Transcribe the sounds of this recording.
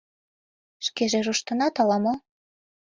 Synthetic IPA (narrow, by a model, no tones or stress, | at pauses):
ʃkeʒeʒuʃt̪ɤ̆nɑt̪ɑlɑmo